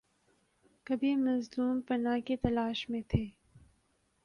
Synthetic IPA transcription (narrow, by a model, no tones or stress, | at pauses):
kɐbʱimɐzluːmpɐnaket̪ɐlaːʃmẽt̪ʰeː